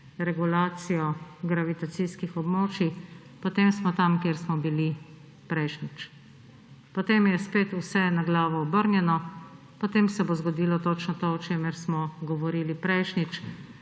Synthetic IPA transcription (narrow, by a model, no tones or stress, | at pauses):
ɾɛɡulaːt̪sijɔɡɾaʋit̪at̪siskixɔbmoːt͡ʃi | pɔt̪emsmɔt̪amkeːɾsmɔbili | pɾɛjʃnit͡ʃ | pot̪eːmjɛspeːt̪usɛnaɡlaːʋɔːbəɾnjɛnɔ | pɔt̪eːmsɛbozɡɔd̪iːlɔt̪ot͡ʃnɔt̪oɔt͡ʃeːmɛɾsmɔɡɔʋɔɾilipɾɛjʃnit͡ʃ